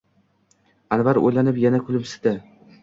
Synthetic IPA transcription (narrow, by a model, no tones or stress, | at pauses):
anvaɾo̰jlanɪpjanakʰʊlˠɪpsɪ̥d̪a